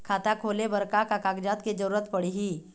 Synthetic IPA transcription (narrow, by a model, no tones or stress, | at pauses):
kʰaːt̪akʰoːlebəɾkakakaːɡd͡ʒaːt̪ked͡ʒəɾuːɾət̪pəɽiɦi